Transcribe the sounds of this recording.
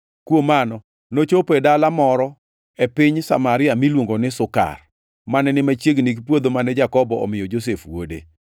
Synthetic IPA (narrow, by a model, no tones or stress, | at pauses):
kwomanɔ | not͡ʃopɛdalamɔɾɔ | epɪɲsamaɾɪamilwoŋɡonɪsʊka̰r | manɛnɪmat͡ʃjeɡnikpwod̪omanɛd͡ʒakɔbɔɔ̰mɪjɔd͡ʒos̬efwo̰dḛ